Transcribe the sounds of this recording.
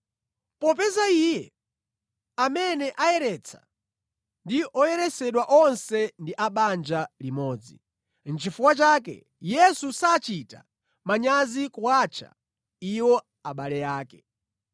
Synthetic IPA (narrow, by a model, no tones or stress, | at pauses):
pɔpɛzaijɛ | amɛnɛʔajɛɾɛt͡sʰḁ̰ | ndiʔɔjɛɾɛsɛɗwaʔɔnsɛndiʔaɓand͡ʒalimɔːd͡zi | n̩t͡ʃifuwat͡ʃaːk̬ɛ̰ | jɛsusaːt͡ʃita̰ | maɲazikuwaːt͡ʃʰa̰ | iwɔ | aɓalɛjaːkɛ̥